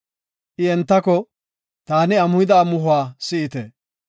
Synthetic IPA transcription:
ʔɪɛnt̪ːɐkɔ | t̪aːnɪɐmʊɪd̪aːmʊɦʊaːsɪɪt̪ɛ̰

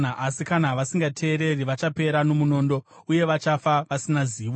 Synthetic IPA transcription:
aʔasikanaʋasiŋɡatʰe̞ːɾe̞riʋat͡ʃape̞ɾano̞muno̞ːndo̞uje̞ʋat͡ʃafaʋasinaziːʋo

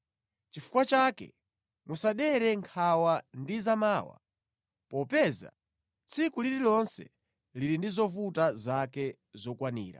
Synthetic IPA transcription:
t͡ʃifu̥kwat͡ʃaːkɛ̰ | musaɗɛɾɛŋkʰawandizamaːwa̰ | pɔpɛza̰ | t͡sʰikuliɾilɔnsɛ̰ | liɾindizɔvutazakɛ | zɔkwanḭːɾa̰

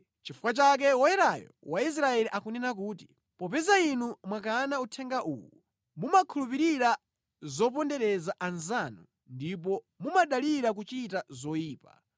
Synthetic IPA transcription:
t͡ʃifu̥kwat͡ʃak̬ɛwɔjɛɾajɔ̰wais̬ɾaɛliʔakunɛnak̬uːti̥ | pɔpɛzainumwakaːnautʰɛŋɡaʔṵːwu | mumakʰulupiɾiɾa | zɔp̬ɔndɛɾɛzaʔanzanṵ | ndip̬ɔ | mumaɗaliɾak̬ut͡ʃitazɔiːpa̰

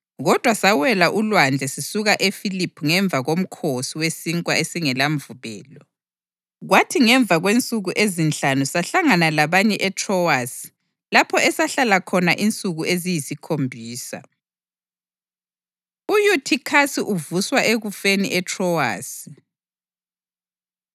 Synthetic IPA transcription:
ɣɔd̥ʱwasawɛlaʔulwand͡ɮʱɛsisuɣaʔefilipʰuŋɛɱb̪vʱaɣom̩kʰosiwesiŋkʼwaesiŋɛlam̩vuβɛ̰ːlɔ | ɣwatʰiŋɛɱb̪vʱaɣwent͡sʼuɣuʔezint͡ɬanusaɬaŋanalaβaɲɛʔɛtʰrɔwasi̥ | lapʰɔɛsaɬalakʰɔnaʔint͡sʼuɣuezijisikʰombʱiːsa̰ | ujutʰikʰasiʔuvuswaʔeɣufeniʔɛtʰrɔwa̰ːsi̥

